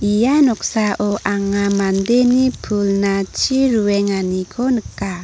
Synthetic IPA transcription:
ijanɔksaʔɔʔaŋamandenipʰulnat͡ʃiɾuwɛŋanikʰɔnəkːa

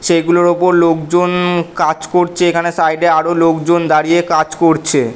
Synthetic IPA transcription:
ʃejɡuloɾopoɾlokd͡ʑonkad͡ʑkoɾt͡ɕʰeekʰanesajɖeaɾolokd͡ʑond̪aɾijekad͡ʑkoɾt͡ɕʰe

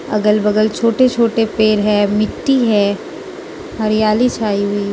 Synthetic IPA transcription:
ɐ̰ɡəlbɐɡəlt͡ʃʰoːʈet͡ʃʰoːʈepeːɾɦɛːmɪʈːiɦɛː | ɦɐɾɪjaːlit͡ʃʰaːiɦʊiː

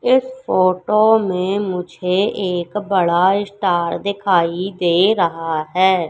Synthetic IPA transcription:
ɪspʰoːʈoːmẽːmʊd͡ʒʱeːʔeːkbəɽaːɪsʈaːɾd̪ɪkʰaːid̪eːɾəɦaːɦɛː

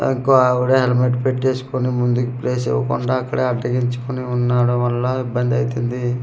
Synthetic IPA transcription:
ḭŋkoaʋuɽeɦelmeʈpeʈt͡ʃe̞ːsu̥konimund̪ukupleːsḛʋɐ̰kuɳɖaɐkːɐɽeɐɖɐɡiɲt͡ʃu̥koniunːaːɽuʋɐlːɐibːɐnd̪ɐjt̪ind̪i

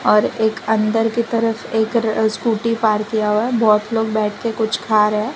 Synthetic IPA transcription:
ɔːɾeːkɐ̃nd̪əɾkit̪ɐɾəfeːkskuːʈipaːɾkijaɦoaɦɛbɔːt̪loːɡbɛːʈ̚ʰkekʊt͡ʃʰkʰaːɾɦɛ̃ː

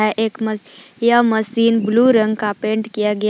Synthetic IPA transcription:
ɛʔeːkməjəməsiːnbluɾə̃ŋɡkapẽːɳʈkijaɡɐj

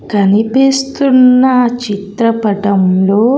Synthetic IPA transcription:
kɐnipeːst̪unːɐt͡ʃit̪ɾɐpɐʈɐmlo̞ː

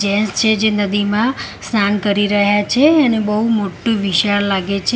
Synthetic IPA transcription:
d͡ʒɛst͡ʃʰed͡ʒenəd̪imã | snʰankəɾiɾəɦjat͡ʃʰeːnebəɦumoʈːũʋiʃaɭlaɡet͡ʃʰ

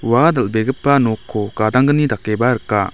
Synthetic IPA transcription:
wad̪alʔbeɡəpːanokʰːokad̪aŋɡənid̪akːebaɾəkːa

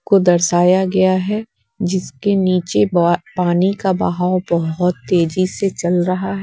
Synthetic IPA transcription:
kod̪ɐɾsaːjaɡɐjaɦɛ | d͡ʒɪskeniːt͡ʃepaːnikabɐ̰ɦaːwbɐɦʊt̪ːeːd͡ʒiset͡ʃɐlɾɐɦaɦɛ

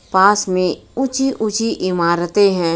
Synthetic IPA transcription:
paːsmẽʊt͡ʃiʔʊt͡ʃiʔɪmaːɾət̪eɦɛ̃ː

